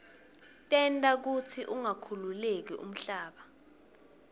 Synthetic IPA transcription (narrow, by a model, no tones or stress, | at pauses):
tʼɛntʼak̬utʰiʔuŋakʰululek̬iʔṵm̩ɬaːɓa